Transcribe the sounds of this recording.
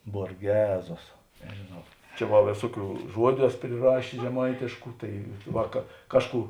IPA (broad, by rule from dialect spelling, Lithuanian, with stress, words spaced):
boːrʲˈɡʲæːzoːs nʲɛʒʲeːˈnɐʊ ˈt͡ʃʲɛ ʋɐ ˈʋʲeːsuɔˌkʲuː ˈʒuɔdʲʊ ˈæːsoː pʲrʲɪˈrɑːʃʲeːs ʒʲɛˈmɐɪtʲeːʃkʊ ˈtɐɪ ˈʋɐ kɐ ˈkɑːʃˌkuː